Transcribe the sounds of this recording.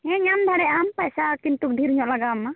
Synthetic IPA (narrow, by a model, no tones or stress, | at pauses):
ɛ̃ɲamd̪ʱaɽɛʔampajsakint̪uk̚dʱiɾuɲɔʔlaɡamːa